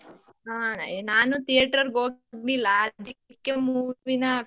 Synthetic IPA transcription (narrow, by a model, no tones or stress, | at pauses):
aːnaːnut̪ijɐʈɐɾɡoːɡnilːɐːd̪ikkːemuːʋinɐ